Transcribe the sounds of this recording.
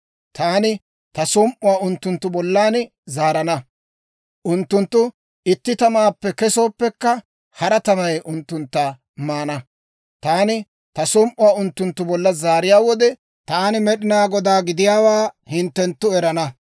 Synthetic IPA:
t̪aːnɪ | t̪ɐsɔmʔʊwaːʊnt̪ːʊnt̪ːʊbɔlːaːnɪ | zaːɾɐnɐ | ʔʊnt̪ːʊnt̪ːʊ | ɪt̪ːɪt̪ɐmaːpːɛkɛso̞ːpːɛkːɐ | hɐɾɐt̪ɐmɐjʔʊnt̪ːʊnt̪ːa | maːnɐ | t̪aːnɪ | t̪ɐsɔmʔʊwaːʊnt̪ːʊnt̪ːʊbɔlːɐzaːɾɪjaːwɔd̪ɛ | t̪aːnɪmɛɗɪnaːɡɔd̪aːɡɪd̪ɪjaːwaːhɪnt̪ːɛnt̪ːʊɛɾɐnɐ

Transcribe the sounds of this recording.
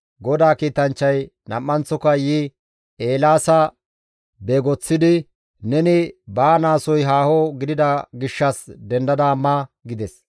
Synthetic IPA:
ɡɔd̪aːkiːt̪ɐnt͡ʃːɐjnɐmːɐnt͡sːɔkɐji | eːlaːsɐ | beːɡɔt͡sːɪd̪ɪ | nɛnɪbaːnaːsɔjɦaːhɔɡɪd̪ɪd̪ɐɡɪʃːɐsd̪ɛnd̪ɐd̪aːmːaɡɪd̪ɛs

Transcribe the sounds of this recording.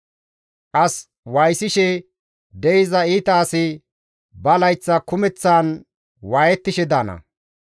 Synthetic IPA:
kʼɐs | wɐjsɪʃɛ | d̪ɛjɪzɐiːt̪aːsɪ | bɐlɐjt͡sːɐkʊmɛt͡sːaːn | waːjɛt̪ːɪʃɛd̪aːnɐ̰

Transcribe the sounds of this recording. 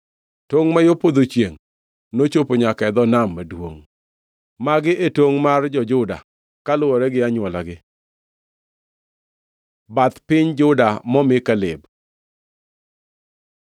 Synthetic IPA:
toŋmajopod̪ot͡ʃjeŋ | not͡ʃopoɲakɛd̪ɔnamːadwoŋ | maɡɪʔetwoŋmard͡ʒɔd͡ʒʊda̰ | kalʊɔɾɛɡɪaɲʊɔlaɡɪ | bat̪pɪɲd͡ʒʊdamɔmɪkalɪb

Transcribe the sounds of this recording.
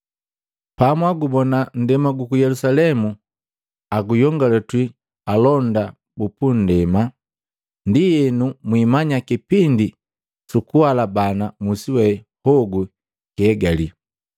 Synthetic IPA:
pamwaɡubɔnan̩dɛmaɡukujɛlusalɛmu | aɡujɔŋɡalɛtwi | alɔnda | bupundɛma | ndijɛnumwimaɲakipindi | sukuwalabanamusiwɛ | hɔɡu | kɛːɡali

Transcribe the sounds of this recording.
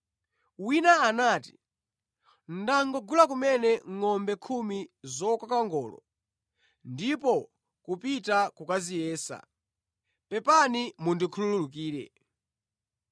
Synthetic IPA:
winaːnaːti̥ | n̩daŋɡɔɡulakumɛnɛŋɔmbɛkʰumizɔkakaŋɡɔ̰ːlɔ̰ | ndipɔ | kupitakukazijɛːsa̰ | pɛpanimundikʰulululuk̬iːɾɛ̰

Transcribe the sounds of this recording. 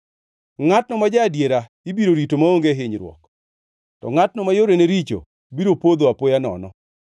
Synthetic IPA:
ŋatnɔmad͡ʒaːdjeɾa | ibiɾoɾitomaoŋɡeɦɪɲɾwɔ̰k | tɔ̰ŋatnɔmajoɾeneɾit͡ʃo̰ | biɾopod̪oapojanɔ̰nɔ̰

